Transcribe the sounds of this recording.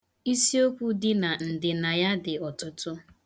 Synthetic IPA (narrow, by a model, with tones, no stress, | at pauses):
i˦si˦o˦kʷu˦dɪ˦na˨n̩˨dɪ˨na˨ja˦dɪ˨ɔ˨tʊ˦tʊ˦